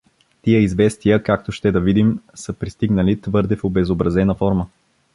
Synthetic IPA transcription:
t̪ijəizvɛst̪ijəkak̚t̪oʃt̪ɛd̪ɐvid̪imsəpɾist̪iɡnəlit̪vɤɾd̪ɛfobɛzobɾɐzɛnəfɔɾmə

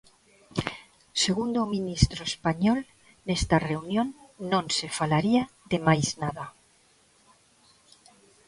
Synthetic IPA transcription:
se̞ɣ̞und̪ominist̪ɾoespaɲol | ne̞st̪are̞unjõ̞nːõnse̞falaɾiaðe̞majznaða

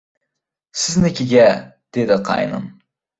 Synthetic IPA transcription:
sɪznɪkʲɪɡʲæ | d̪̥ed̪ɪqʰɑ̰jnɨ̰m

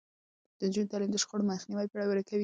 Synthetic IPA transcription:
d̪̥ənd͡ʒunt̪alimd̪əʃqoɽomaxniwajpəɽawaɾakawi

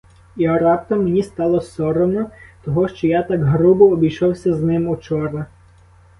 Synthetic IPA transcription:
iɔɾɑpt̪ɐmːenʲist̪ɑlˠɔsɔɾɔwnɔt̪ɔɦɔʃt͡ʃɔjat̪ɑkɦɾubɔːbʲijʃɔwsʲɐznɪmɔt͡ʃɔɾnɐ

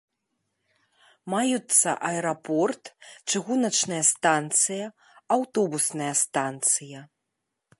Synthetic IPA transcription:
majut̪sːɐ̰ʔɐɛɾapɔrt̪t͡ʂɨɣunɐt͡ʂnɐjɐst̪ant̪sɨjɐ | awt̪ɔbusnɐjɐst̪ant̪sɨjɐ

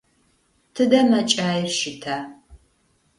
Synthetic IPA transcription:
tʰɨdɐmɐt͡ʃʼaːjɪrʃɪtʰaː

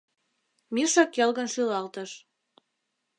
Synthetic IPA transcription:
miʃɑkjelɣə̆nʃylɑlt̪ə̆ʃ

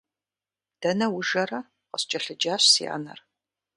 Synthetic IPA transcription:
d̥ɐnɐwʊʒɐrɐ | qəɕt͡ʃʼɐɬɨd͡ʒaːɕsia̰ːnɐ̰r

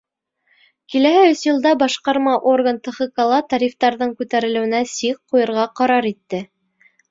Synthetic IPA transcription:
kilæhɘɵsjɤ̆lˠd̪ɑbɑʃqɑɾmɑʔo̞rɡənt̪ɤ̆χɤ̆kalˠɑt̪ɑɾʲift̪ɑɾðɤɴkʉt̪æɾɘ̆lɘ̆wɘ̆næsiqqːujɤ̆ɾʁɑqɑɾɑɾit̪ːɘ

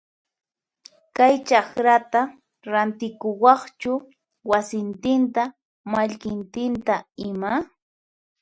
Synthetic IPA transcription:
kajt͡ʃɑkɾat̪a | ɾant̪ɪkʊwɑχt͡ʃʊ | wasɪnt̪ɪnt̪a | maʎkɪnt̪ɪnt̪aɪma

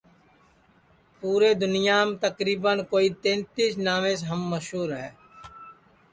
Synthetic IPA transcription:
puːɾeːd̪ʊnɪjaːmt̪əkɾiːbənkoːiːt̪ẽːnt̪iːsnaːmẽːseɦəmːəʃɦuːɾɦɛː

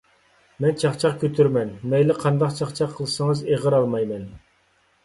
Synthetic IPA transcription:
mɛnt͡ʃʰɑχt͡ʃʰɑqkʲøt̪ʰyɾmɛnmɛjlɪqʰɑnd̪ɑqt͡ʃʰɑχt͡ʃʰɑqʰːəlˠɨsɨŋəzeʁəɾɑlˠmɑjmɛn

